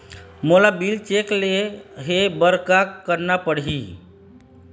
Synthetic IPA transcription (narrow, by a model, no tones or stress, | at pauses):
molabilt͡ʃekleɦebəɾkakəɾnapəɽɦi